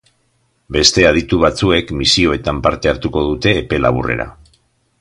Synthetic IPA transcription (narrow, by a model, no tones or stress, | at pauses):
be̞st̪e̞að̞it̪uβ̞at͡sue̞kmisio̞e̞t̪ampaɾt̪e̞aɾt̪uko̞ð̞ut̪e̞ːpe̞la̰β̞ṵre̞̰ɾa̰